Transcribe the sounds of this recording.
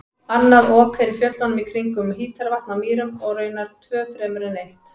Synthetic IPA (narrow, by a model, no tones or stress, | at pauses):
anːaðɔːkʰɛɾɪfjœt̪lanʏmikʰɾiŋkʏmhiːt̪aɾvaht̪namiːɾʏmɔɣrœːɥnaɾ̥t̪ʰvœːfɾɛːmʏɾɛnejht̪